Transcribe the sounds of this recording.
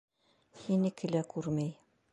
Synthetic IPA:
hinikʰɘ̆lækʉɾmæj

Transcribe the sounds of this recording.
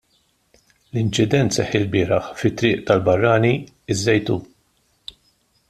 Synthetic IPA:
lɪnt͡ʃɪd̪ɛnt̪sɛħːɪlbɪːɾɐħfɪt̪ːɾɪːʔt̪ɐlbɐrːɐːni | ɪzːɛjt̪uː

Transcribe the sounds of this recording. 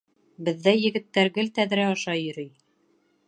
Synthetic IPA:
bɘ̆ðːæjɘ̆ɡɘ̆t̪ːæɾɡɘlt̪æðɾæɑʃɑjɵ̆ɾɵj

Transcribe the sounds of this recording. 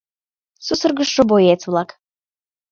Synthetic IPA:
susərɣə̆ʃːə̆bojet͡sβlˠɑk

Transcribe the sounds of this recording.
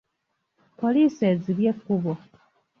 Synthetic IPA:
po̞liːse̞ziβje̞kːuβo

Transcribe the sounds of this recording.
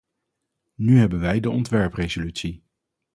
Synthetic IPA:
nyɦɛbənʋɛjdəɔntʋɛɹprezolytsi

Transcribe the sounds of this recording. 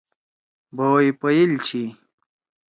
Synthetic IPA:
boːipɐjilt͡ɕʰi

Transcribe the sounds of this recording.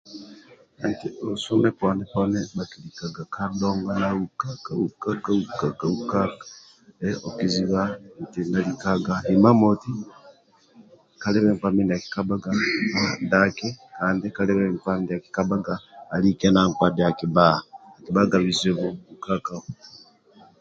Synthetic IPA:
antiosomepandiponeβakilikaɡakʰandoːŋɡanaukakaukakaukakaukakḁ | eokiziβantinalikaɡaimamoti | kaleβeŋpaminaki̥kabaɡaadakekaːndikaleβeŋpamidiaki̥kabaɡaːlikenaŋkwadejakibahaːkiβaɡaβizeβoβukakao

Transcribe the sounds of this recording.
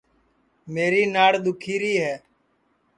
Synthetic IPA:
meːɾiːnaːɽd̪ʊkʰiːɾiːɦɛː

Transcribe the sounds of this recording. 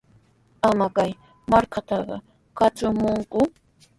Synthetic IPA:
amakaj | maɾkat̪ɑɢɑ̰ | kat͡sʊmʊŋkʊ

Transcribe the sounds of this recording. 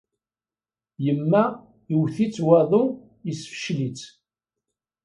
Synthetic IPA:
jəmːæ | iwθit͡sːwɑðˤu | jəsfə̥ʃlit͡s

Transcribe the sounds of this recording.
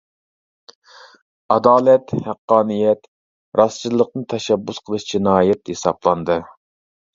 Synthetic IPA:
ɑd̪ɑːlɛt̪hæqːɑːnɨjɛt̪ | ɾʔɑst͡ʃʰilˠːəq̚nɨt̪ʰɛʃɛbːusqʰəlˠɨʃt͡ʃʰinɑːjɛt̪hesɑ̰blˠɑnd̪ɨ

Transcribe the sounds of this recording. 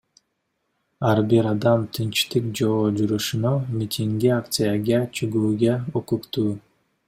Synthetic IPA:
ɑɾbiɾɑd̪ɑmt̪ʰɯnt͡ʃt̪ɯk̚d͡ʒoːd͡ʒuɾuʃunomʲit̪ʰʲiŋɡiakt̪sɨjaɡɑat͡ʃʰyɡuːɡeokukt̪uː

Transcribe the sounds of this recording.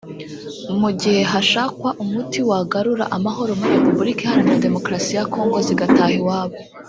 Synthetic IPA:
muɟihe̞ɦaʃaːkwaʔumutiwaɡaɾuɾa̰ʔamaɦo̞ɾo̞muɾiɾe̞pubuɾikihaɾinade̞mo̞kɾasijako̞ːŋɡo̞ziɡataːhiwaːβo

